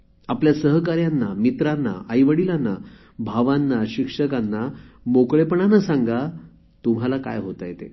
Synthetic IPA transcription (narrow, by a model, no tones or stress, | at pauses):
apljasəɦkaɾjanːamit̪ɾanːa̰ʔajʋəɽilanːa | bʱaʋanːaɕikʂəkanːamokɭepəɳanasaŋɡa | t̪um̤alaka̰jɦot̪ajet̪ḛ